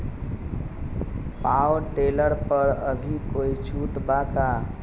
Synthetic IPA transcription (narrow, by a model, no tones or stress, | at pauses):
paʈeləɾpəɾəbʱikoit͡ʃʰuʈbak̪a